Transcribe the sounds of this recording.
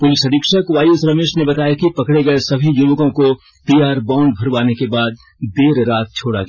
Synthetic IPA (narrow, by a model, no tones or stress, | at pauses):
pʊlɪsɐd̪ikʃəkʋaːjusɾɐmeːʃnebɐt̪aːjakipɐkɽeɡɐesɐbʱijʊʋkõko | t̪ijaːɾbãːɳɖbʱɐɾʋaːnekebaːd̪ | d̪eːɾɾaːt̪̚t͡ʃʰoːɽa̰ɡj